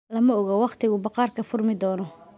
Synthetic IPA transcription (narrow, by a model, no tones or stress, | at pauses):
lɐmɐɔɣɔwɑqt̪ʰɪɣʊbɑqɑːrkʰɐfʊrmɪd̪ɔːnɔ